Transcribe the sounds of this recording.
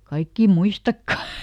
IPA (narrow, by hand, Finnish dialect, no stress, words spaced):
kɑikːiˑ muistɑkːɑ